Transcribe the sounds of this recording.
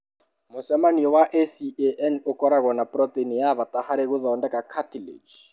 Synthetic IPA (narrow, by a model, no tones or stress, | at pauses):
mʊsɛmaniɔwaʔesieʔɛnʊkʼɔɾaɣɔnapʼɾɔtʼenijaβatʼahaɾeɣʊðɔndɛkʼakʰatilḛd͡ʒ